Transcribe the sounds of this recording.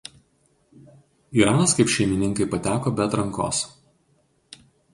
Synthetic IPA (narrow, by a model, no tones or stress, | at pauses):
iɾɑːnɐskɐɪpʃʲɛɪmʲɪnʲɪŋˑkɐɪpɐt̪ʲæːkoːbʲɛt̪ɾɐŋˑko̰ːs